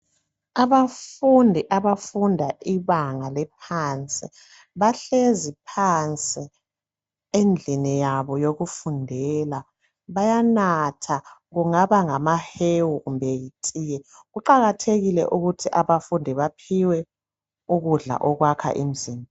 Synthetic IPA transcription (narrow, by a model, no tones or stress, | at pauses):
aβafundʱiʔaβafundʱaiβaŋalɛpʰant͡sʼi | βaɬezipʰant͡sʼi | end͡ɮʱinijaβɔjoɣufundʱɛla | βajanatʰaɣuŋaβaŋamahewuɣumbʱejitʼiːjɛ | ɣuǃaɣatʰeɣilɛ̰ʔuɣutʰiʔaβafundʱiβapʰiwɛ | uɣuɮa̰ʔɔɣwakʰa̰ʔim̩ziːmi